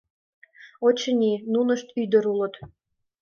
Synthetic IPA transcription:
ot͡ɕənʲinunəʃt̪yd̪əɾulə̆t̪

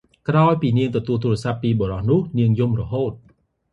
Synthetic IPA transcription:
kraɔjpiːniəŋt̪ɔt̪uəlt̪uːrɑsapːiːɓoɾɑhnʊ̆əhniəŋjumrɔɦoːt̪̚

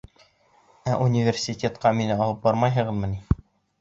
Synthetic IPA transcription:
æʔunʲivʲersʲitʲet̪qɑminɘɑlˠɤp̚bɑɾmɑjɦɤ̆ʁɤ̆ðmɤ̆ni

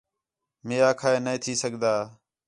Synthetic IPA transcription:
meːaːkʰaːeːnəĩːt̪ʰiːsəɡd̪aː

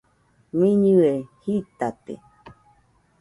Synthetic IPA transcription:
mĩɲɨehit̪at̪ḛ

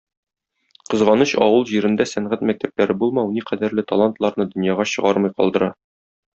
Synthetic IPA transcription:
qɤ̆zʁɑnɤɕɒwɤlˠʑiɾɘ̆nd̪æsæɴʁæt̪mæk̚t̪æp̚læɾɘbulˠmɑwniqæd̪æɾlɘt̪ɐlˠant̪lˠɑɾnɤd̪ɵ̆njɑʁɑɕɤ̆ʁɑɾmɤjqɒ̰lˠd̪ɤ̆ɾɑ

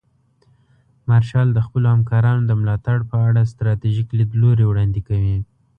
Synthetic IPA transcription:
maɾʃɑld̪əxpəlohamkɑɾɑnod̪əmlɑt̪aɽpəaɽas̬t̪ɾɑt̪iʒiklid̪loɾewɽɑnd̪ikawi

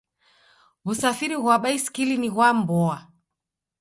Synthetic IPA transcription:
βusafiɾiɣwaɓaisi̥kiliniɣwambɔa

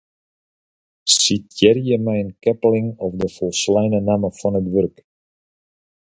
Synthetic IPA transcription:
sitjɛrjəmɛjənkɛplɪŋɔfdəfɔlˠslɛjnənaməfɔnətʋørk

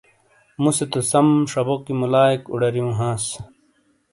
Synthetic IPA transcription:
muset̪osɐmʂɐbokimulaːikṵɽɐɾjũɦãːs

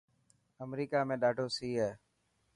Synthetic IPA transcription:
əmɾiːkaːmẽːɗaːɖʱoːsiːɦɛː

